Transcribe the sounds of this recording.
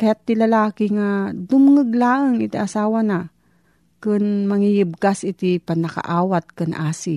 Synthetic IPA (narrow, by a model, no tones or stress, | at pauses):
kɐjat̪ːilɐlaːkɪŋad̪ʊmŋəɡlaːʔəŋɪt̪iʔɐsaːwana | kɨnmɐŋijɪb̚kasʔɪt̪ipɐnːɐka̰ʔaːwat̪̚kanʔaːsi